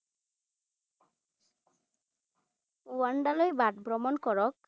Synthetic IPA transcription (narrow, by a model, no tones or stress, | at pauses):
waɳɖalɔjbaʈbɾɔmɔnkɔɹɔk̚